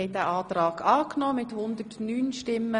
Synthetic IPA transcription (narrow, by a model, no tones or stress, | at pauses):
ɛɪdæʔɑːt̪ɾɑːɡɑːknɔːmɪthʊnd̪ətnyːnʃtɪmːə